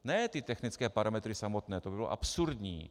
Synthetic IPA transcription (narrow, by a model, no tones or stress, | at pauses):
nɛt̪ɪt̪ɛxnɪt͡skɛːpaɾʔamɛt̪ɾɪsamo̞t̪nɛːt̪obɪbɪlo̰ʔa̰psuɾdɲḭː